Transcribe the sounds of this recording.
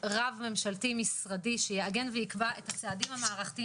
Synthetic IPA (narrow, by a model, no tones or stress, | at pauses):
ʁavme̞mʃaltimisʁadiʃejeaɡe̞nveikbaʔethat͡seadimhamaːʁaχt̪i